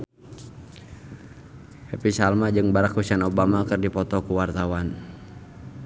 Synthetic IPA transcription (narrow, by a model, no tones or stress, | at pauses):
hɛpisalmad͡ʒɨŋbaɾakhusianɔbamakɨrdipɔt̪ɔkuwart̪awan